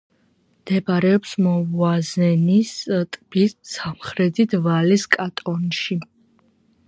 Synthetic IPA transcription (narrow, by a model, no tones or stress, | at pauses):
md̪̥ɛbaɾɛɔpsmɔvwazɛnist̪ʼb̥issamχɾɛd̪id̪ʰvaliskʼat̪ʼɔnʃi